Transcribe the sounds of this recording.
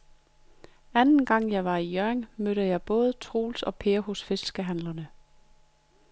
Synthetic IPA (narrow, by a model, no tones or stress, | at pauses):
ænn̩ɡ̥ɑ̈ŋ̰jɑ̈ɪʋɑ̈ijøɐeŋmøɾəjɑ̈ɪb̥ɔ̽ːð̞ˠət͡sʰʁo̝̰ːlsɒ̽pʰe̝ːɐhosfe̝ssɡ̥əɦænlɐnə